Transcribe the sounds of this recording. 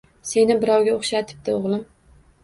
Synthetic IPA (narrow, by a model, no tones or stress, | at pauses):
se̞nɪbɪɾɒwɡʲaoχʃat̪ʰɪ̥p̚d̪ɪoʁlˠɪm